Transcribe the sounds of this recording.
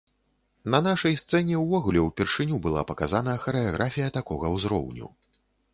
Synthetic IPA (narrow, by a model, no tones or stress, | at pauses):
nɐnaʂɐjst̪sɛnʲɛwvɔɣulʲɛwpʲɛrʂɨnʲubɨlˠa̰pɐkazanɐxɐɾɨaɣɾʔafʲijɐt̪akɔɣɐwzɾɔ̰wnʲṵ